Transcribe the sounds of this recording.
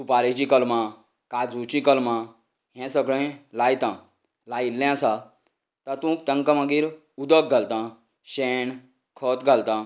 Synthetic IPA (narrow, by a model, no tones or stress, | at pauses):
supaɾet͡ɕĩkəlmã | kad͡zũt͡ɕĩkəlmã | ɦɛ̃səɡɭẽlajt̪ã | lailːɛ̃sa | t̪ət̪ũk̚t̪ə̃ŋkəmãɡiːɾ | ud̪ək̚ɡʱalt̪ã | ɕɛɳ | kʰət̪ɡʱalt̪ã